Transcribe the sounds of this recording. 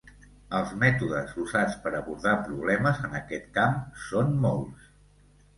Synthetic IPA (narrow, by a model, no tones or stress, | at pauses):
əlˠzmɛt̪uðəzuzat͡spəɾəβuɾðapɾuβ̞lɛməzənəkɛt̪kamsonmolˠs